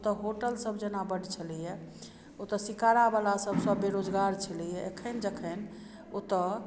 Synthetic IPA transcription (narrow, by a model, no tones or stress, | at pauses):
ot̪əɦoʈəlsəbd͡ʒənabəɽt͡ʃʰəlijɛ | ot̪əsikaɾabalasəbʱsəbeɾod͡ʒɡaɾt͡ʃʰəlijɛekʰənd͡ʒəkʰən | ot̪ə